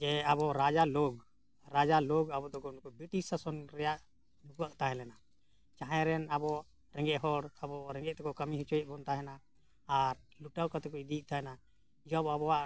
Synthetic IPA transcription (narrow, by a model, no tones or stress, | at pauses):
d͡ʒɛabɔɾad͡ʒaloɡ | ɾad͡ʒaloɡabɔd̪ɔɡɔnkɔbɾiʈisasɔnɾɛjaʔ | nukuaʔt̪aɦɛlɛna | t͡ʃaɦãɾɛnabɔ | ɾɛ̃ŋɡɛʔɦɔɽabɔɾɛŋɡɛʔt̪ɛkɔkəmiɦit͡ʃɔjɛbɔnt̪aɦɛnaː | ɾluʈawkat̪ɛkɔid̪iʔ̚t̪ʰaɦɛna | d͡ʒɔbabɔwaʔ